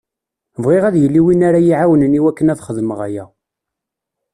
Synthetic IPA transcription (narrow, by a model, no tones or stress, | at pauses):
vʁiʁæðjəlːiwinaɾajiʕawənəniwækːənæðχəðməʁæ̰jæ